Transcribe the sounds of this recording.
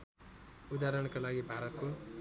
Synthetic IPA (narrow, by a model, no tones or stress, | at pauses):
ud̪aɾʌɽ̃kalaɡibʱaɾʌt̪ko